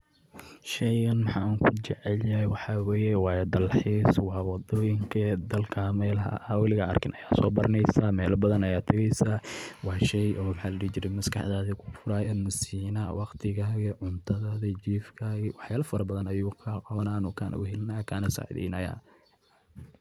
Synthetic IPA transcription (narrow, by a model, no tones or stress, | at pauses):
ʃɛjɣɐnmɑħɑ̰ːaŋkʰʊt͡ʃɛʕɛljɐwɑħɑwɛːjɛwɑːjɐd̪ɐlħiːswɑːwɑd̪ɔːjɪŋkʰɐd̪ɐlkʰamɛːlɦɐ̰ʔɐwɪlɪɣɐɐ̰rkʰɪnʔɐjaːsɔːbɐɾɐnɛjsaːmɛːlɐbɐðɐnɐjaːt̪ʰɐɣɛjsaːwɑːʃɛjʔɔːmħɑlɐɽiːt͡ʃɪɾɛmɐskʰɑ̰ħðaːðikʰʊ̥fʊɾaːjaːnmɐsiːnɐwɑqt̪ʰɪɣaːɣɐʕʊnt̪ʰɐðaːðɐt͡ʃiːfkʰaːɣɪwɑħjaːlɐfɐɾɐbɐðɐnɐjuːkʰɐqɑβɐnaːnʊkʰaːnʔɐ̰ʊhɛlnaːkʰaːnɐsa̰ːʕɪðɛ̰jnɐja̰ː